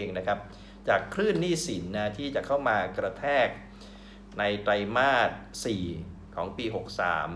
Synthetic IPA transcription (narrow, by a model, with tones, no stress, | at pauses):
eː˧ŋna˦˥kʰa˦˥p̚ | t͡ɕaː˨˩kʰɾɯː˥˩nːiː˥˩si˩˦nːa˦˥t̪ʰiː˥˩t͡ɕa˨˩kʰa˥˩wmaː˧kɾa˧t̪ʰɛː˥˩k̚ | na˧jt̪ɾa˧jmaː˥˩t̪̚siː˨˩ | kʰɔː˩˦ŋpiː˧ɦo˨˩k̚sa̰ː˩˦m